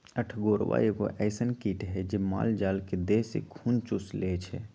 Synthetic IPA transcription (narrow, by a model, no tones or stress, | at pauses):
əʈʰɡoɾʋa̰eɡoʔɛɪsənkiʈɦɛd͡ʒema̰ld͡ʒalked̪esḛkʰunt͡ʃuslet͡ʃʰɛ